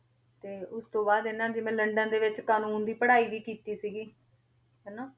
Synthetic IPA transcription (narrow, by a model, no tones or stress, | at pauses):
t̪eːʊst̪õːbaːd̪ɪnːãːd͡ʒɪʋẽːləɳɖə̃nd̪eːʋɪt͡ʃkaːnuːnd̪iːpəɽaːiːʋiːkiːt̪iːsiːɡiː | ɦɛːnãː